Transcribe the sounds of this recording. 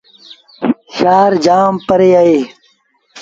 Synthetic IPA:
ɕaːɾd͡ʒaːmpəɾeːaeː

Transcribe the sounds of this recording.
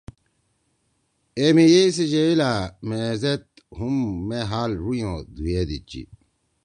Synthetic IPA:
emijeis̬id͡ʑeilaːmezet̪̚ | humːeɦaːlɾujõd̪ujeːd̪it͡ɕḭ

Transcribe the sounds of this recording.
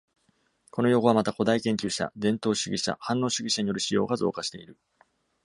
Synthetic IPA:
ko̞no̞jo̞ɡo̞amat̪ako̞d̪aikẽŋkʲɨːɕa̰d̪ẽ̞nt̪o̞ːɕɨɡʲiɕa̰hãnːo̞ːɕɨɡʲiɕaɲijo̞ɾɯ̟ɕijo̞ːɡazo̞̰ːkaɕi̥t̪e̞iɾɯ̟

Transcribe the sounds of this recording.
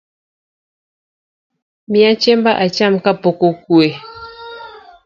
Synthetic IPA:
miat͡ʃembaʔat͡ʃam̩kapokokue

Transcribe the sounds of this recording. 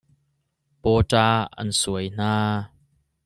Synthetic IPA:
pɔːtaːɐ̰nsuəjn̥aː

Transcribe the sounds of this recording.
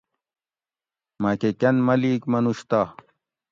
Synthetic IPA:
makekɐnmɐlikmɐnuɕt̪a

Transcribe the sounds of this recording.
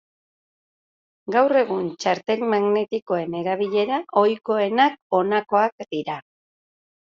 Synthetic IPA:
ɡawre̞ɣ̞unt͡ʃaɾt̪e̞lmaɣne̞t̪iko̞e̞ne̞ɾaβiʎe̞ɾaʔo̞jko̞e̞nak̚o̞nako̞akd̪iɾa

